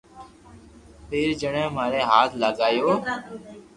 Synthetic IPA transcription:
pʰeːɾd͡ʒəɽẽːmaːɾeːɦaːt̪ʰləɠaːjoː

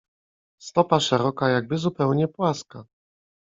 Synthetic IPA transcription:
st̪ɔpaʂɛɾɔkajaɡ̚bɘzupɛwɲɛpwaska

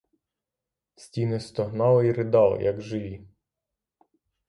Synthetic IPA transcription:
sʲtʲinɪst̪ɔɦnɑlˠiɾɪd̪ɑl̰ˠjʔɐɡʒɪʋʲi

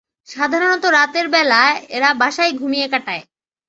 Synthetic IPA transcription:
ʃad̪ʱaɾonɔt̪oɾat̪eɾbɛlaeeɾabaʃaijɡʱumijekaʈae

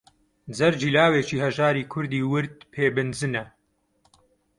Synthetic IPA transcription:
d͡zɐɾd͡ʒiːlaːweːt͡ʃiːhɐʒaːɾiːkʰʊɾd̪iːwɨɾd̪̚pʰeːbɨnd͡zɨnɐ

